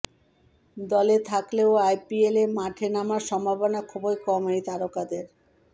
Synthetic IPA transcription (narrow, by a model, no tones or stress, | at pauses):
d̪ɔlet̪ʰakleoajpielemaʈʰenamaɾʃɔmbʱabonakʰɔbojkɔmejt̪aɾokad̪eɾ